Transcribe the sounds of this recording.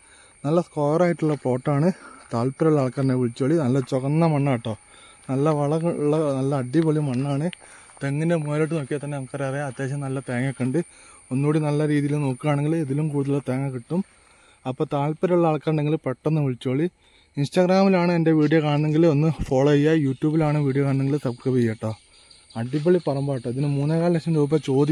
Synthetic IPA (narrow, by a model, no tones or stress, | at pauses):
nɐlːɐskoːlɐraːjiʈːuɭːɐpo̞ːʈːaːɳɨt̪aːɭpːɐɾuɭːɐaːɭkːaːɾɳeʋiɭit͡ɕːo̞ːɭinɐlːɐt͡ɕoɣɐnːɐmɐɳːaːʈːo̞ːnɐlːɐʋɐɭɐuɭːɐnɐlːɐːɖːiʋɐɭijumːɐɳːaːɳɨt̪eŋːɐnemeːleʈːɨnoːkːijɐt̪ːɐnːeɐkːɐɾarɐjɐt̪ːe̞ːɕɐmnɐlːɐt̪eːŋːɐkːɐɳɖɨ | o̞nːoːɽinɐlːɐɾiːðijilɨno̞ːkːɨkaːɳeŋɡileðilumkuːɽuðɐluɭːɐt̪eːŋːɐkiʈːum | ɐpːoːt̪aːɭpɐɾuɭːɐːɭkːaːɾɳɖe̞ŋɡilpeʈːonːɨmiɭt͡ɕːoːɭi | insʈɐɡraːmilaːɳɨende̞ʋiːɽijokaːɳɐnːe̞ŋɡilo̞nːɨfoːɭoːjːɐjuːtːjuːbilaːɳɨʋiːɽijokaːɳɐnːeŋɡilsɐb̚kɐbijːɐːʈːɐ | ɐɖːibɐɭipɐrɐmbaːʈːɐɐðinɨmuːnːekaːlilɐkʂɐmɾuːbɐt͡ɕo̞ːd̪i